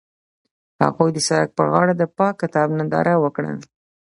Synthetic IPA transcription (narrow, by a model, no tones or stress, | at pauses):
ha̰ɣojd̪əsaɾak̚pəɣɑɽad̪əpɑkːɪt̪ɑbnand̪ɑ̰ɾʔawəkɽə̰